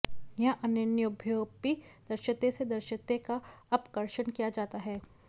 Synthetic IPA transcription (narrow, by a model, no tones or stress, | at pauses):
jɐɦʔɐnjənjʊbʱjoːpid̪̥ɐɾʃət̪esed̪ɐɾʃət̪ekaɐpkəɾʃənkijad͡ʒaːt̪aɦɛː